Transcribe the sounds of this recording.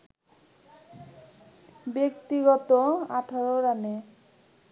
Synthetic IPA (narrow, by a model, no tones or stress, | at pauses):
bekt̪iɡɔt̪oaʈʰaɾoɾane